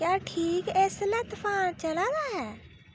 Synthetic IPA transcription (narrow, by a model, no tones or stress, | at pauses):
kjaːʈʰiːkeslɛt̪fʰaːnt͡ʃəlaːd̪aːɦɛː